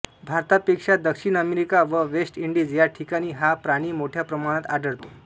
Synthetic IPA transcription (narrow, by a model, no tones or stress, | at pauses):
bʱaɾt̪apekʂad̪əkʂiːɽ̃əmeɾikaʋəʋesʈiɳɖiːd͡zjaʈʰikaɽ̃iːɦapɾaɽ̃iːmoʈʰjapɾəmaɽ̃ãt̪aɖəɾt̪o